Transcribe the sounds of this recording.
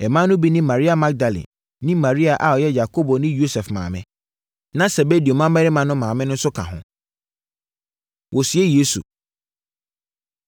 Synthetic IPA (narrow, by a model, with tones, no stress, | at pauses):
ɛ˨mã˦nːʊ̃˦bi˦nĩ˦mã˨ɾi˦a˨ma˦k̚da˨lḭ˨ | nĩ˦mã˨ɾi˦a˨ʔa˨ɔ˨jɛ˦ja˨kʰo˦bo˨nɪ̃˦jo˦sɛ˨fmã̰ː˨mɪ̰̃˦ | nã˦se˨be˦di˨o˨mã˦mɛ˦ɾɪ˦mã˨nʊ̃˦mãː˨mɪ̃˦nʊ̃˦sʊ˦kʰã̰˨ɦʊ̰̃˦ | wʔɔ˨sɥe˦je˦sṵ˨